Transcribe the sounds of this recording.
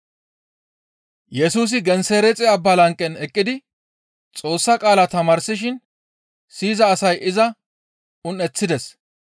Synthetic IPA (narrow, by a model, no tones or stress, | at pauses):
jɛsuːs̬ɪɡɛnseːɾɛt͡sʼɛɐbːɐlɐŋkʼːɛnɛkʼːɪd̪ɪ | t͡sʼo̞ːsːɐkʼaːlat̪ɐmaːɾsɪʃ̬ɪn | siːzɐːsɐjʔɪzɐ | ʊnɛt͡sːɪd̪ɛs